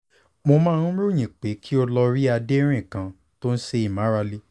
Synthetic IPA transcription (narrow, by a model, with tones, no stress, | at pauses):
mo˧mãː˦nũ˦ɾo˦˨j̃ĩ˨k͡pe˨˦kʰi˦o˧lɔ˧ɾi˦a˧de˦ɾ̃ĩ˦˨kã˨ | to˦n̩˦se˧˦i˨mã˨˦ɾa˧le˧